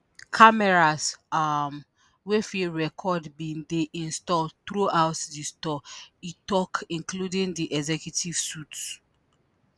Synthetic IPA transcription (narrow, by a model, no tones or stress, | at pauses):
kʰamɛɹasam | wefiɹɛkʰɔdbĩndeʔĩnstɔltɹuʔawtdistɔitɔkĩnkludĩŋdiʔɛɡzɛkjutʰiv̥suts